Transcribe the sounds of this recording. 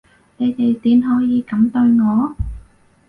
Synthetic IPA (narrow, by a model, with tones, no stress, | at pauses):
ne˨˧jt̪e˨jt̪iː˨˥nɦɔː˨˥jiː˨˧kɐ˨˥mt̪ɵ˧ɥŋɔː˨˧